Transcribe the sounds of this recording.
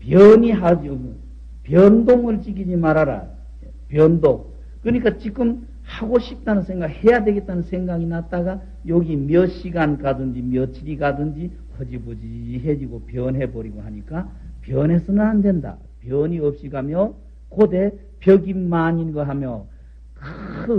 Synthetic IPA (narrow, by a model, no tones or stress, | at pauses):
pjʌɲiɦad͡ʑɡ | pjʌndoŋɯɭt͡ɕikʰid͡ʑimaɾaɾa̰ | e | pjʌndoŋ | kɯɲik͈at͡ɕik͈ɯm | haɡoɕʰip̚t͈anɯnsʰe̞ŋɡakhe̞jadwe̞ɡe̞t̚t͈anɯnsʰe̞ŋɡaɡinat͈aɡa | jʌɡimjʌɕ͈iɡankadɯnd͡ʑimjʌt͡ɕʰiɾiɡadɯnd͡ʑi | kʰʌd͡ʑibod͡ʑiɦe̞d͡ʑiɡopjʌnɦe̞bʌɾiɡoɦaɲik͈apjʌne̞sʰʌnɯnandwe̞nda̰ | pjʌɲiʌp̚ɕ͈iɡamjʌ | kode̞ | pjʌɡimːaɲinɡʌɦamjʌ | k